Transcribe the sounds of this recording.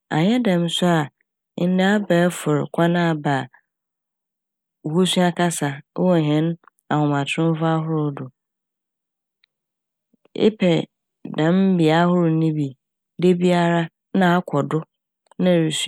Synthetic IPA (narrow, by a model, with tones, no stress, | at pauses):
a̰˨ɲɛ˦dɛ̃˨m˦sʊ˦a˨˦ | da˦a˦ba˨˦fʊ˨ɾkʷʰa˦nã˦˨ba˨ | ho˦su˦a˦kʰa˦sa˨˦wɔ˨ɦɛ̃˨˦n | a˨hʊ̃˨mã˨tʰʊ̃˦m˦fa˦a˦ɦʊ˦ɾʊ˨˦dʊ˨ | ɪ̰˦pʰɛ˨ | dã˨m˦bi˨a˦hʊ˦ɾʊ˨nĩ˦bi˨ | de˦bi˦a˦ɾa˦ | nã˦a˦kʷʰɔ˨dʊ˦ | nã˦˨ɾi˨s